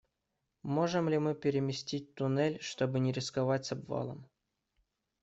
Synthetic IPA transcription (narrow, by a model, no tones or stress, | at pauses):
moʐɨmlʲɪmɨpʲɪɾʲɪmʲɪsʲtʲit̚ʲt̪ʊnɛlʲʂt̪obɨnʲɪɾʲɪskavatʲzɐbva̰lˠə̰m